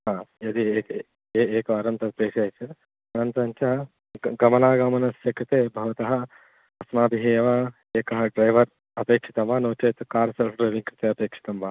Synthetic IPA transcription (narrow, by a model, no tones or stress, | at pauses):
ɦaːɐd̪ieːk | eːeːkɐɐɾɐnt̪ɐpeːʂaːjt͡ʃɐ | ɐnɐnt̪ɐɐnt͡ʃɐɦɐ | ɡɐmɐnaːɡɐmɐnɐsɐkɾit̪eːbʱɐʋɐt̪ɐɦɐ̆ | ɐsmaːb̪iɦijɐʋa | eːkɐɦɐɖɾɐjʋɐɾ | ɐpeːkʂi̥t̪ɐmʋaːnoːt͡ʃɐt̪ukaːɾɐsɐlfɖɾɐjʋiŋkɾɪt̪eːɐpeːkʂi̥t̪ɐmbaː